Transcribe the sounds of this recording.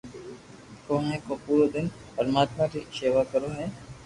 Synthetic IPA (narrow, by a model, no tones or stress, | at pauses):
kõːɦɛ̃ːkõːpuːɾoːd̪ɪn | ɔːɾmaːt̪mãːʈiʃeːʋaːkəɾoːɦɛ̃ː